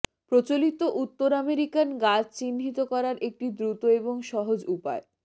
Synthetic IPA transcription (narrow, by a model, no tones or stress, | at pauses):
pɾot͡ɕolit̪oʔut̪ːoɾameɾikanɡad͡ʑt͡ɕinːɦit̪okɔɾaɾʔek̚ʈid̪ɾut̪oeboŋʃɔɦod͡ʑupa̰e